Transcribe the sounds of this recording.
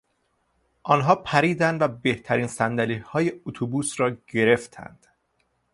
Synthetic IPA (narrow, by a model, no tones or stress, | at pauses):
ʔɒːnɦɒːpʰæɾiːd̪ænd̪væbe̞ht̪ʰæɾiːnsænd̪æliːhɒːje̞ot̪ʰubuːsɾɒːɟe̞ɾe̞ft̪ʰæ̰nd̪̥